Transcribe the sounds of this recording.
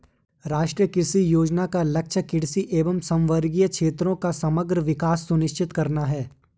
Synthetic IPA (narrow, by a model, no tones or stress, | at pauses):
ɾaːʃʈɾijəkɪɾsijoːd͡ʒnakalɐk̚t͡ʃʰəkɪɽsiʔeːʋəmsɐ̃mʋəɾɡijəkʃʰeːt̪ɾõkasɐməɡɾəʋɪkaːsːʊnɪʃt͡ʃɪt̪kɐɾnaɦɛː